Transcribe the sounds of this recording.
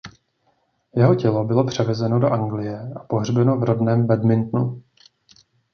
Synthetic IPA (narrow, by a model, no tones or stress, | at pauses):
jɛɦo̞cɛlo̞bɪlo̞pr̝̥ɛvɛzɛno̞do̞ʔaŋɡlɪjɛʔapo̞ɦr̝bɛno̞vɾo̞dnɛːmbɛdmɪnt̪nu